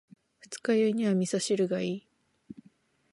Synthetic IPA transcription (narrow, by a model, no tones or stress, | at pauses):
ɸɯ̥t͡sɨ̥kajɯiɲ̟iβamʲisaɕiɾɯ̟ɡaiː